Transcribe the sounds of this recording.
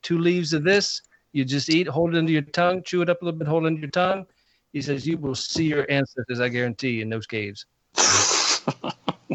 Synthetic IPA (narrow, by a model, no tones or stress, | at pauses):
tʰʉlivzʌðɪs | jɨd͡ʒʌstit̚ɦoʊlˠdɨɾɪ̃ntʉjə˞tʰʌ̃ŋt͡ʃʰʉɨɾʌplɪɾ̩ˠbɪt̚oʊlˠdɪ̃ntʉjə˞tʰʌ̃ŋ | hisɛzjɨwɪlˠsijə˞ʔæ̃nsɛstɨ˞zaɪɡɛɹɨ̃ntʰiɨ̃nðoʊz̥kʰeɪvz̥